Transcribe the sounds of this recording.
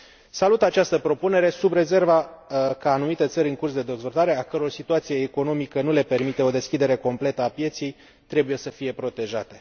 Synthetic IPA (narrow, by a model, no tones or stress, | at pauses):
salut̪at͡ʃast̪əpɾo̞pune̞ɾe̞subre̞ze̞rvakaːnumit̪e̞t̪səɾʲɨŋkursd̪e̞d̪e̞zvo̞lt̪aɾe̞akəɾorsit̪uat̪sijeːko̞no̞mikənule̞pe̞rmit̪e̞o̞d̪e̞skʲid̪e̞ɾe̞ko̞mple̞t̪əapje̞t̪sij | t̪ɾe̞buje̞səfije̞pɾo̞t̪e̞ʒat̪e̞